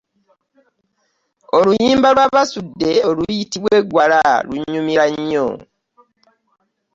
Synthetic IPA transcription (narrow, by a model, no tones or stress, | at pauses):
olujiːmbalwaβasudːe̞olujitiβwe̞ɡwalaluɲumiɾaɲːo̰